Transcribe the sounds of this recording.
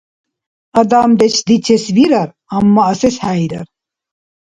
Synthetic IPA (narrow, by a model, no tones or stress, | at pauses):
ɐd̪aːmd̪ɛt͡ʃʰd̪it͡ʃʰɛsviɾɐɾ | ɐmːɐːsɛshæjɾɐ̰ɾ